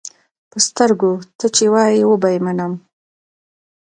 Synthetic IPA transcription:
pəst̪əɾɡot̪ət͡ʃewɑjiwəbajmanəm

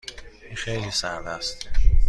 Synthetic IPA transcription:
inxejliːsæɾd̪æst̪

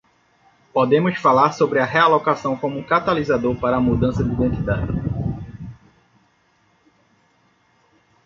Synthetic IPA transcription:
pod̪ẽmʊsfalaɾsobɾɪɐɦealokasɐ̃w̃kõmʊkat̪alizad̪oɾpaɾɐːmud̪ɐ̃sɐd̪iid̪ẽnt̪id̪ad͡ʒɪ

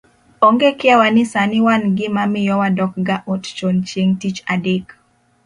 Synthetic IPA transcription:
ɔŋɡekɪawanɪsanɪwanɡɪmamɪjɔwadɔk̚ɡaʔɔtt͡ʃont͡ʃjeŋtit͡ʃadek

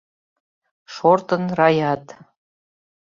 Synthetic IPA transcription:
ʃort̪ɤ̆nrɑjɑt̪

